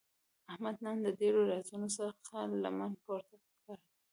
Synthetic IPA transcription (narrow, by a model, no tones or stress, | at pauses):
ahmad̪nənd̪ədeɽoɾɑzunosəxala̰manpoɾt̪akkaɽi